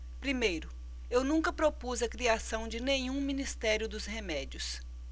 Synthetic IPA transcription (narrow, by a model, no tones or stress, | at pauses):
pɾimejɾʊ | ewnũŋkɐpɾopuzɐkɾiasɐ̃w̃d͡ʒɪnẽɲũmĩnist̪ɛɾjʊd̪ʊzhemɛd͡ʒiʊs